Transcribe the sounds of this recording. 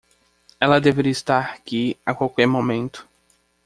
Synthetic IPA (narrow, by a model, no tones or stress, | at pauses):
ɛlɐd̪eveɾiist̪aɾakiakwawkɛɾmõmẽnt̪ʊ̥